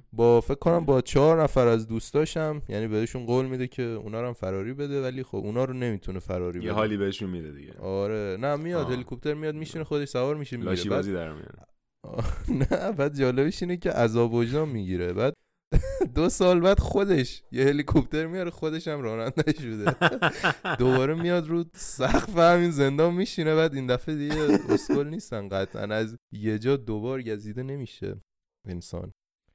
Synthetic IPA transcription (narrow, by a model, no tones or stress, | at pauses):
bɒːfe̞cʰkʰːonæmbɒːt͡ʃʰɒɾnæfæɾæzd̪uːst̪ɒːʃæmjæniːbeeʃunɡoːlmid̪ecʰe̞ṵnɒːɾæmfæɾɒːɾiːbe̞d̪evælixobʔunɒːɾone̞miːt̪ʰunefæɾɒːɾiːbjehɒːlibeeʃunmid̪ed̪ḭɡɟḛʔɒːɾe̞næmijɒd̪he̞likʰop̚t̪ʰe̞ɾmijɒːd̪̚miʃinexo̞d̪e̞ʃsævɒːɾmiʃinmld̪ebɒziːd̪æɾmḭjo̰n | næbæd̪̚d͡ʒɒːle̞biʃiːnecʰe̞ʔæzɒːbod͡ʒd̪ɒmːiːɟiːɾe̞bæːd̪ | d̪osɒːlbæd̪xo̞d̪e̞ʃjehe̞likʰop̚t̪ʰe̞ɾmijɒɾexo̞d̪e̞ʃæmɾɒːnænd̪æʃbud̪e | d̪o̞βɒːɾemijɒd̪ɾuːsæxfehæmiːnze̞nd̪ɒːnmiːʃinebæːd̪ind̪æfed̪iɟeo̰skʰolniːst̪ænɡæt̪ʰæ̰næzje̞d͡ʒɒːd̪obɒːɾɟæziːd̪ene̞miːʃḛ | ensɒ̰n